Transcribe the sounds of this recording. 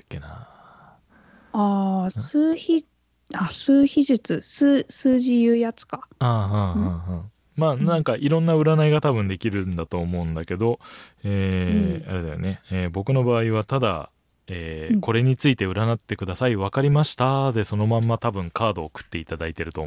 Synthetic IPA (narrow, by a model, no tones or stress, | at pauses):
kːena | asɨːçi | asɨːçiʑɨt͡sɨsɨːsɨːʑijɯːjat͡sɨ̥kḁaːɦãɦãɦã | maːnãŋkaʔiɾõ̞nːaɯ̟ɾanaiɡat̪abɯ̟̃nd̪e̞kʲiɾɯ̟nd̪at̪o̞ːmo̞ɯ̟̃nd̪ake̞d̪o̞eːaɾe̞d̪a̰jo̰ne̞eːbo̞kɯ̟no̞baːiβat̪ad̪a̰ | eːko̞ɾe̞ɲ̟it͡sɨit̪e̞ɯ̟ɾanat̪ːe̞kɯ̟d̪asaiβakaɾʲimaɕi̥t̪ad̪e̞so̞no̞mãmːat̪abɯ̟̃ŋkaːd̪o̞ːkɯ̟̥t̪ːe̞it̪ad̪ait̪e̞ɾɯ̟t̪o̞